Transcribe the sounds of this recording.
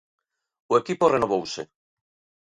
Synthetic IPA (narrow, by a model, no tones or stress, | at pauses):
ʊekiporenoβowsḛ